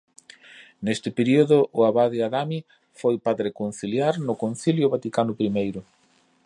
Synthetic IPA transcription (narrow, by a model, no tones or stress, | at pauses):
nest̪ɪpeɾioðʊʔʊaβaðɪaðami | fojpaðɾekon̟θiljaɾnʊkon̟θiljʊβat̪ikanʊpɾimejɾʊ